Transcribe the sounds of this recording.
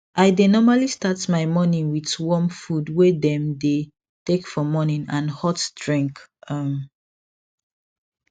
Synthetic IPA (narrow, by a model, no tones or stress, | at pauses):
ʔaɪdenɔmalistatmaɪmɔnĩŋwiðwɔmfudwedɛ̃mde | tekfɔmɔnĩnãnhɔtdɹĩŋkʌm